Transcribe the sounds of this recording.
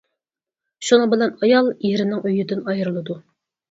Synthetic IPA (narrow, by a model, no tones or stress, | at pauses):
ʃunɨbɪlɛnɑjɑlˠjeɾɪnɪŋʔøjyd̪ɪnɑjɾlˠɨd̪u